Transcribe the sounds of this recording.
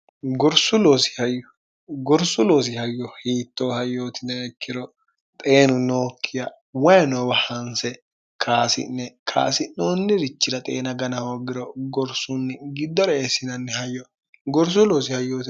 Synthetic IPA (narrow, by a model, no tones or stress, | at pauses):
ɡɔɾsʊloːsɪ̥hɐjːɔ | ɡɔɾsʊloːs̬ɪhɐjːɔhiːt̪ːoːhɐjːoːt̪ɪnɛɛkʰːɪɾɔ | t̪ʼe̞ːnʊnoːkʰːɪja | wɐjnɔwɐhɐnsɛ | kʰaːsɪ̰nːɛkʰa̰ːsɪnoːnːɪɾɪt͡ʃːɪɾɐt̪ʼḛːnɐɡɐnɐhoːɡɪɾɔɡɔɾsʊnːɪɡɪd̪ːɔɾɐesːɪnɐnːɪhɐjːɔ | ɡɔɾs̬ʊloːsɪhɐjːoːt̪ɪ